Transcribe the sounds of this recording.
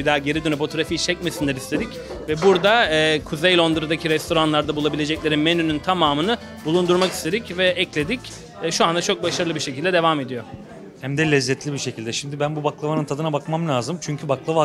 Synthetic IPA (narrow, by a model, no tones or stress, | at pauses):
bid̪aːɟe̞ɾid̪ynyfo̞t̪o̞ɾafijt͡ʃʰɛc̚mesind̪ɛɾist̪ʰe̞d̪ic | vɛbuɾd̪aɯːkʰuzejlʲo̞nd̪ɯɾɯd̪acʰiɾɛst̪ʰo̞ɾanlˠaɾd̪abulˠabilʲe̞d͡ʒɛclʲe̞ɾinme̞nynynt̪ʰamaːmɯnɯ | bulˠund̪uɾmaki̥st̪ʰe̞d̪icvɛʔɛclʲe̞d̪icː | ʃuand̪at͡ʃʰok̚baʃaɾɯlˠɯbiɾʃecilʲd̪ɛd̪e̞vaːme̞d̪ijo | hæmd̪ɛlʲɛzːɛt̪ʰlʲibiɾʃecʰilʲd̪ɛʃimd̪ibænbubaklˠavanɯnt̪ʰad̪ɯnabakmamlʲaːzɯmt͡ʃʰyɲcʰybaklˠava